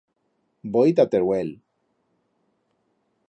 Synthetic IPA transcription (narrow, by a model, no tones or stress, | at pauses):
bojit̪̬at̪eɾwel